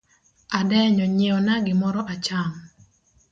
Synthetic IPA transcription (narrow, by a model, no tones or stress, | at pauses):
adɛɲɔɲeɔnaɡɪmɔɾɔʔat͡ʃaŋ